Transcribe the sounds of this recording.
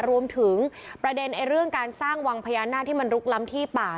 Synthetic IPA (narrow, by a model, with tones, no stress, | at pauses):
ɾu˧əmt̪ʰɯ˩˦ŋpɾa˧de˧nʔa˧jɾɯ˥˩əŋkaː˧nsaː˥˩ŋwa˧ŋpʰa˧jaː˧naː˥˩t̪ʰːiː˥˩ma˧nɾu˦˥k̚la˦˥mt̪ʰiː˥˩paː˨˩